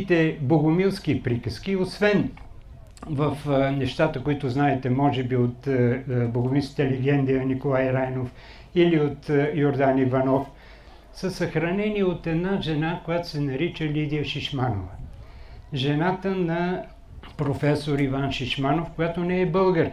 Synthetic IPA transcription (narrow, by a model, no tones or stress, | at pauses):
t̪ɛboɡʊmilˠsk̟ipɾikəsk̟iosvɛn | vəfnɛʃt̪at̪əkoit̪ʊznaɛt̪ɛmɔʒɛbiot̪boɡʊmilˠskə̥t̪əlɛɡɛnd̪ijənikolˠajɾajnof | iliot̪joɾd̪anivɐnɔf | səsɐxɾɐnɛniot̪ɛd̪naʒɛnakojat̪o̥sɛnɐɾit͡ʃəlid̪ijəʃiʃmanovə | ʒɛnat̪ənɐ | pɾofɛsoɾivanʃiʃmanofkojat̪onɛɛbɤlˠɡəɾ